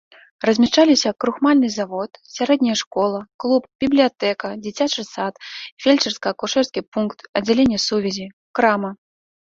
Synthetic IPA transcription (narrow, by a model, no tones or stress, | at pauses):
rɐzʲmʲaʂt͡ʂalʲisʲɐkɾuxmalʲnɨzavɔt̪sʲaɾɛd̪ʲnʲɐjɐʂkɔlˠɐklˠupb̥ʲiblʲijat̪ɛkɐd͡zʲit͡sʲat͡ʂɨsat̪fʲelʲt͡ʂɛrskɐɐkuʂɛrskʲipunkt̪ɐd͡zʲalʲenʲːɐsuvʲɛzʲi | kɾamɐ